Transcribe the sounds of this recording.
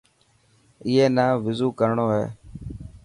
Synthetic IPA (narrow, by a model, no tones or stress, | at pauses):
ɪɦeːnaːʋɪzuːkəɾɳoːɦḛː